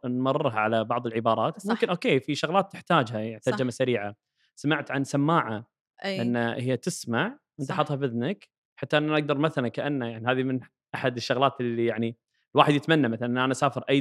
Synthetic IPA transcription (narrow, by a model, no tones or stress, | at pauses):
nmɑrˤːɨɾˤɦaʕalabɑʕðˤəlʕɪbɑːɾˤɑːt̪mʊmkɪnʔoːkeːfiʃʊɣlaːt̪ːɪħt̪aːd͡ʒhaħt̪aːd͡ʒamasaɾiːʕa | samaʕt̪ʕansamːaːʕa | ʔɪnːahɪjːat̪ɪsmaʕwʔɪnt̪aħɑt̪ˤhɑbɪðnak | ħat̪ːaʔɪnːʔaʔaɡ̚d̪ɑɾˤmaθalankaʔanːajaʕniɦaːðimɪn | ʔaħad̪ɪʃːʊɣlaːt̪ɪlːijaʕni | lwaːħɪd̪jɪt̪manːamaθalanʔːʔanaʔsaːfɪɾʔa